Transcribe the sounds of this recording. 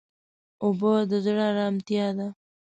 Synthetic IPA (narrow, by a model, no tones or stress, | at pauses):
ʊbod̪əzɽaɾɑmt̪jɑd̪a